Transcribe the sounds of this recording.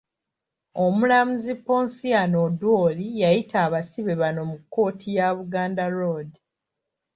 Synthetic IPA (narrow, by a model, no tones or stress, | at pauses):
o̞mulamuzipːoːnsijanodwoːlijajitʰaːβasiβe̞βano̞mukːo̞ːtʰijaβuɡaːndaɾodi